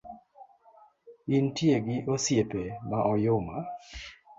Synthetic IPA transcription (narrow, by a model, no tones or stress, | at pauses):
intjeɡɪʔosjepemaʔɔjʊma